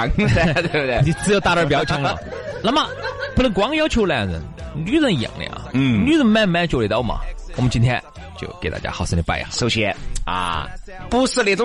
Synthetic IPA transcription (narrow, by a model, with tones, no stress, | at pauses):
ŋt̪ebe˧˩ni˨˩t͡sɹ̩˥jo˧˥ʊt̪a˥˧˩ə˞˥˧˩p̬jɑ˧˥ʊt͡ɕʰi˧˥ŋə̰˨ | na˧˥ma˧pu˥˩ə˧˥ŋkwɑ˧˥ŋjɑ˥ʊt͡ɕʰjo˧˥ʊla˧˩n˨ə̰˧˥n | ly˧˥zə˧˩ŋ˧jɑ̰˨˩ŋlə̰˧˩ɐ̰˧˩ly˧˥zə˧ŋmɛ˥˧nmɛ˥˧nt͡ɕjo˥˩le˨˧˩t̪ɑ˥˩˨mɐ̰˨˩wɔ̰˨˩mə˦nt͡ɕi˥nt̪ʰjɛ̰˥n | t͡ɕjo̰˥˧ʊke˨˩ɪt̪a̰˧t͡ɕja̰˥xɑ˧˩ʊsɹ̩˧ni˧˩˥pa˥˩ɪ̰˨˩so˧ɕɛ˧a̰˧pu˥˧ʂ̩˥˧li˧˩t͡sʊ˥